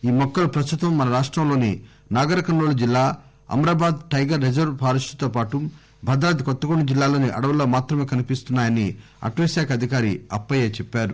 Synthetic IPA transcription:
iːmɔkːɐlupɾɐst̪ut̪ɐmːɐnɐɾaːʂʈɾɐmlo̞ːni | naːɡɐɾɐkɐnːoːɭud͡ʒilːaː | ɐ̰mɾaːbaːd̪ʈɐjɡɐɾːed͡ʒɐɾʋpʰaːɾɐʂʈu̥t̪oːpaːʈu | bʱɐd̪ɾaːt̪ikɔt̪ːɐɡoɳɖud͡ʒilːaːlo̞ːniʔɐ̰ɽɐʋɐlːo̞ːmaːt̪ɾɐme̞ːkɐnipist̪unːaːjɐni | ɐ̰ʈʋɐsaːkɐd̪ʱikaːɾiɐ̰pːɐjeːt͡ʃɛpːaːɾu

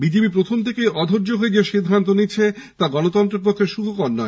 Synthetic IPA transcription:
bid͡ʑebipɾot̪ʰomt̪ʰekejʔɔd̪ʱoɾd͡ʑoɦoed͡ʑeʃid̪ʱːant̪onit͡ɕʰe | t̪aɡɔnot̪ɔnt̪ɾeɾpok̪ʰːeʃuɡʰʱokɔɾnɔe

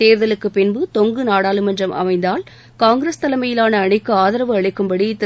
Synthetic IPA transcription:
eːɾðɐlɯkːɯpɪnbɯt̪ɔŋɡɯnaːɽaːlɯmɛndrɐmʔɐ̰mɐɪnd̪aːl | kaːŋɡɾest̪ɐlɐmɐjɪlaːnɐːɳɪkːɯaːðɐɾɐʋɯɐɻɪkːɯmbɐɽit̪ː

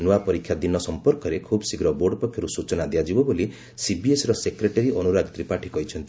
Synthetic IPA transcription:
nuapɔɾikʰːjad̪inɔsɔmpɔɾkɔɾekʰubɔsiɡɾɔboɾɖɔpɔkʰjɔɾusut͡ʃɔnad̪ijad͡ʒibɔboli | sibiesɾɔsekɾeʈeɾiʔɔnuɾaɡit̪ɾipaʈʰikɔɦit͡ʃʰɔnt̪i

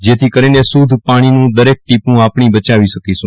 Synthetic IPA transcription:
d͡ʒet̪ʰikəɾinesud̪ʱpaɽ̃inũd̪əɾek̚ʈipũapɽ̃ibət͡ʃaʋiʃəkiʃũ

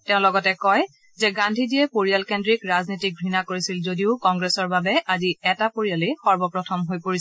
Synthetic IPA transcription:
tɛ̃ʊ̃lɔɡɔtɛkɔj | zɛɡandʱidiɛpoɹijalkendɹikɹaznotik̚bʱɹinakoɹisilzodiʊkɔŋɡɹɛsɔɹbabɛʔaziɛtapoɹialexɔɹbɔpɹɔtʰɔmɦojpoɹis

